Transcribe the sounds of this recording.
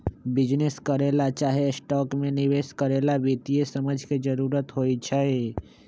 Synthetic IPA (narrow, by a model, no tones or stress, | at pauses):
bɪd͡ʒneskəɾelat͡ʃaːɦesʈɔːkmẽnɪʋeskəɾelabit̪ijesəməd͡ʒʱked͡ʒəɾuːɾət̪ɦojt͡ʃʰəe